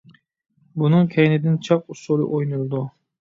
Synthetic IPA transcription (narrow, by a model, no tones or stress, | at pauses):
bunɨŋkʲʰɛjnɪd̪ɪnt͡ʃʰɑq̚usolˠɨ̰ʔojnulˠd̪u